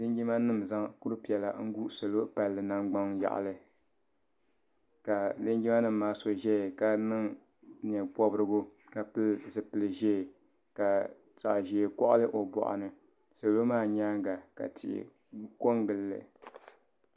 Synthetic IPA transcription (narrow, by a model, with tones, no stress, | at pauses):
lɨ˦ŋ˦ɡi˦ma˦nɨ˦mza˦ŋku˦ɾɨ˦pi˨ɛ˨la˨ŋ̩˦ɡu˦ʔso˨lo˦pa˨lːɨ˨na˨ŋɡ͡ba˦ŋja̰˨ʔlɨ˦ | ka˨lɨ˦ŋɡi˦ma˦nɨ˦mː˦aː˦so˨ʒɛ˦˨ka˨nɨ˦ŋ | ɲ˨ɛ˨bɔ˦bɾɨ˦ɡʊ˦ | ka˨pɨ˦lzɨ˨pɨ˨lɨ˨ʒɛ˦˨ | ka˨ | sa˨ʔʒi˨e˨kɔ˦ʔa˦lɨ˦ʔo˨bɔ̰˨ʔa̰˨nɨ˨ | so˨lo˦maː˦˨ɲaː˦ŋɡa˨ka̰˨tʰɪ̰˨ɪ̰˨ | ko˦ŋɡɨ˨lːɨ̰˨